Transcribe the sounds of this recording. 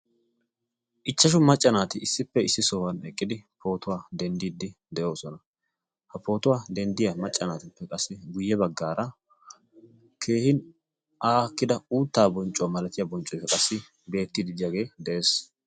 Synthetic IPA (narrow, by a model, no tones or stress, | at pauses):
ʔɪt͡ʃːɐʃ̬ʊmɐt͡ʃʼːɐnaːt̪ɪɪsːɪpːɛɪsːɪsoːwɐnɛkʼːɪd̪ɪpo̞ːt̪ʊwaːd̪ɛnd̪iːd̪ːɪ | d̪ɛʔo̞ːsɔnɐ | hɐpo̞ːt̪ʊwaːd̪ɛnd̪ɪjɐmɐt͡ʃʼːɐnaːt̪ɪpːɛkʼɐsːɪɡʊjːɛbɐɡːaːɾɐ | kʰe̞ːhɪn | ʔaːkːɪd̪ɐuːt̪ːaːbɔnt͡ʃʼʊwɐmɐlɐt̪ɪjabɔnt͡ʃʼɔjfɛkʼɐsːɪ | be̞ːt̪ːid̪ɪd̪ɪjɐɡe̞ːd̪ɛʔe̞ːs